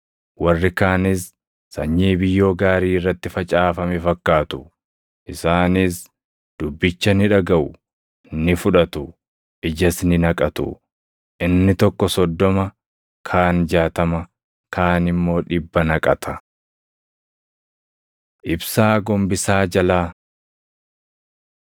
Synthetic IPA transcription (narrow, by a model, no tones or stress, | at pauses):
wɐrːɪkaːnɪs | sɐɲːiːbɪjːo̞ːɡaːɾiːɪrːɐt̪ːɪfɐt͡ʃʼaːfɐmɛfɐkːaːt̪ʊ̥ | ʔɪsaːnɪs | d̪̥ʊbːɪt͡ʃːɐnɪᶑɐɡɐʔʊ | nɪfʊᶑɐt̪ʊ | ʔɪd͡ʒɐsnɪnɐkʼɐt̪ʊ̰ | ʔɪnːɪt̪ɔkːɔsɔd̪ːɔmɐ | kʰaːnd͡ʒaːt̪ɐmɐ | kʰaːnɪmːo̞ːᶑɪbːɐnɐkʼɐ̰t̪ʰɐ | ʔɪbsaːɡɔmbɪsaːd͡ʒɐlaː